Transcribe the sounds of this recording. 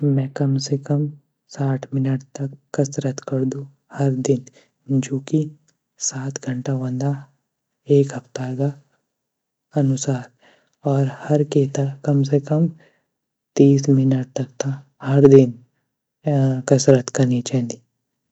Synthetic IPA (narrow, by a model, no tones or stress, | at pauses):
mɛ̃ːkɐmsekɐm | saːʈʰmɪnəʈ̚t̪ɐkːɐsɾət̪kɐɾd̪ũ | hɐɾd̪ɪn | d͡ʒoːki | saːt̪ʰɡʱə̃ɳʈaʋãnd̪a | eːkɦɐpt̪aɦɡa | ɐnʊsaːɾ | ɔːɾhɐɾkeːt̪akɐmsekɐm | t̪iːsmɪnəʈ̚t̪ɐk̚t̪ʰa | hɐɾd̪ɪn | kɐsɾət̪kɐɾnit͡ʃaːɦnd̪iː